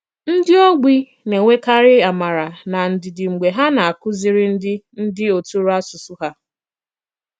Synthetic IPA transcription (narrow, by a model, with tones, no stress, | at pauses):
n̩˦dɪ˦o˦ɡ͡bi˦ | ne˨ŋʷe˦ka˦ɾɪ˦a˨ma˨ɾa˨na˨n̩˨dɪ˨dɪ˨ŋ͡m̩˨ɡ͡be˨ɦa˦na˨a˨kʊ˦zɪ˨ɾɪ˦n̩˦dɪ˦n̩˦dɪ˦o˨tu˦ɾa˦su˨su˦ɦa˦